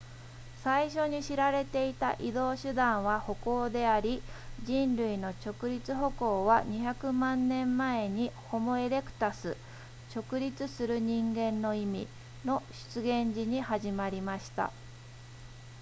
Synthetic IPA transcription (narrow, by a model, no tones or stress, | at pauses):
saiɕo̞ɲ̟iɕiɾaɾe̞t̪e̞it̪a̰ʔid̪o̞ːɕɨd̪ãɰ̃β̞aho̞ko̞ːd̪e̞aɾʲid͡ʑĩnɾɯ̟ino̞t͡ɕo̞kɯ̟ɾʲit͡sɨɦo̞ko̞ːβaɲ̟içakɯ̟mãnːẽ̞mːae̞ɲ̟iho̞mo̞e̞ɾe̞kɯ̟̥t̪asɨ | t͡ɕo̞kɯ̟ɾʲit͡sɨsɨɾɯ̟ɲ̟ĩŋɡẽ̞nːo̞imʲḭ | no̞ɕɨ̥t͡sɨɡẽ̞ɲd͡ʑiɲ̟ihaʑimaɾʲimaɕi̥t̪a̰